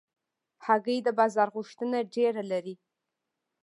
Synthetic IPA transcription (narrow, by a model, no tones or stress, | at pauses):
haɡəjd̪əbɑzɑɾɣʊʃt̪ənaɖeɾalaɾi